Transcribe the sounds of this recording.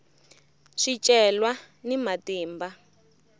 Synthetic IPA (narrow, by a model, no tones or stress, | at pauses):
ʂit͡ʃʼɛlwa | nimateːmba